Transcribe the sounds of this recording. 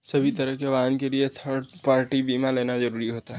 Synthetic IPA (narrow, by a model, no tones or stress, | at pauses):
sɐbʱit̪ɐɾəɦkeʋaːnkeliet̪ʰəɾɽpaːɾʈibiːmaleːnazɐɾuːɾiɦoːt̪aɦɛ